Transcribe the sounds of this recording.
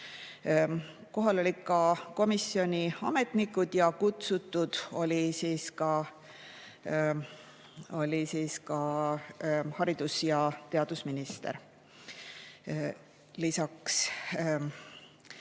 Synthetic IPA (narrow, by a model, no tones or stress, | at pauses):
ko̞ɦɑlo̞lʲikɑko̞misːio̞nʲiɑ̰me̞t̪nikːˑud̪̥jɑkut̪sut̪ːˑud̪̥o̞lʲisiːskɑ | o̞lʲisiːskɑ | hɑɾid̪̥usjɑt̪e̞ɑd̪̥usminist̪e̞̰ɾ | lisɑks